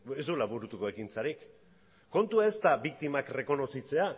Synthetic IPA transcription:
ezd̪ulaβuɾut̪uko̞e̞kint͡saɾik | ko̞nt̪uae̞st̪abik̚t̪imakre̞ko̞no̞sit͡se̞a

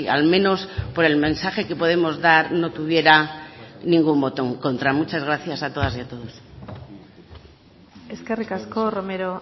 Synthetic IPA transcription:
a̰lmẽ̞no̞spo̞ɾe̞lmẽ̞nsaxe̞ke̞po̞ð̞e̞mo̞zðaɾno̞t̪uβ̞je̞ɾanĩŋɡumbo̞t̪o̞ŋko̞nt̪ɾamut͡ʃazɣ̞ɾaθjasat̪o̞ð̞asiat̪o̞ðos | eskerikaskoromeɾo

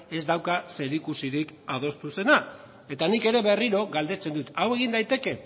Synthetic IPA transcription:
e̞zd̪awkase̞ɾikusiɾikað̞o̞st̪use̞na | e̞t̪anike̞ɾe̞βe̞riɾo̞ɣald̪e̞t͡se̞nd̪ut̪awe̞ɣ̞ind̪ajt̪e̞ke̞

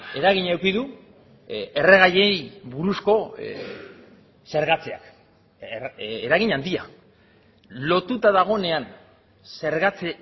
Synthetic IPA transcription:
e̞ɾaɣiɲewkiðu | e̞re̞ɣ̞aje̞jβuɾusko̞ | se̞ɾɣat͡se̞a̰k | eɾaɣiɲand̪ia̰ | lo̞t̪ut̪aðaɣ̞o̞ne̞an | se̞ɾɣat͡se

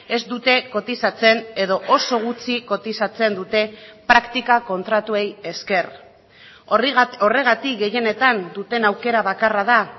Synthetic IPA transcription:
e̞zd̪ut̪e̞ko̞t̪isat͡se̞ne̞ðo̞ʔo̞so̞ɣ̞ut͡siko̞t̪isat͡se̞nd̪ut̪e̞pɾakt̪ikako̞nt̪ɾat̪ue̞je̞ske̞r | o̞re̞ɣ̞at̪ikɡe̞je̞ne̞t̪and̪ut̪e̞nawke̞ɾaβ̞akaraða

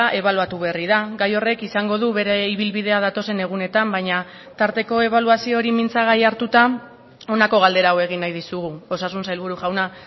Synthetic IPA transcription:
ʔe̞β̞aluat̪uβe̞riðaɡajo̞re̞kisaŋɡo̞ð̞uβe̞ɾe̞iβilβið̞e̞aðat̪o̞se̞ne̞ɣ̞une̞t̪ambajɲa | t̪aɾt̪e̞ko̞e̞β̞aluasio̞ɾimint͡saɣ̞ajaɾt̪ut̪a | o̞nako̞ɣ̞ald̪e̞ɾaːwe̞ɣinːajðisuɣuo̞sasunsajlβ̞uɾuʝawna

